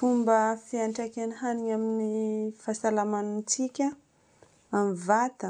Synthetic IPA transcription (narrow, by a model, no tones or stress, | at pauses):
fumbəfiaɳʈ͡ʂakanɦaniŋaminifasalamanunt͡sikʲa | amivat̪ə